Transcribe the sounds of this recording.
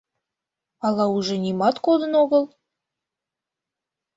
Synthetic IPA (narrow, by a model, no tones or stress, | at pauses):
ɑlˠɑuʒenʲimɑt̪kod̪ə̆noɣə̆lˠ